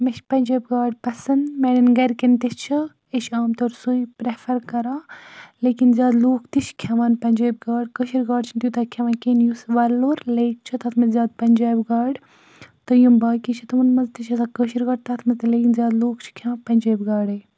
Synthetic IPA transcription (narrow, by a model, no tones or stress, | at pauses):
meʃʰʲpɐnʲd͡ʒaːbɡaːɖpɐsɐnd̪meɽinɡɐɾkint̪it͡ʃʰi | eʃaːmt̪oɾsuipɾefʰɐɾkɐɾaːleːkinzʲaːd̪loːkʰt̪it͡ʃʰkʰɐʋaːnpɐnʲd͡ʒaːbɡaːɖkəʃiɾɡaːɽt͡ʃʰint̪jut̪ɐkʰɐʋaːnkenjusʋɐloːɾleːk̚t͡ʃʰɐt̪ɐt̪ʰmɐzʲjaːd̪̚pɐnʲd͡ʒaːbɡaːɖ | t̪ɐjumbaːkit͡ʃʰit̪ɐʋɐnmɐzt̪it͡ʃʰɐsakəʃiɾɡɐːɖt̪ɐt̪ʰmɐzt̪ɐleːkinzʲaːd̪loːkt͡ʃʰkʲʰɐpɐnʲd͡ʒaːbɡaːɽɐj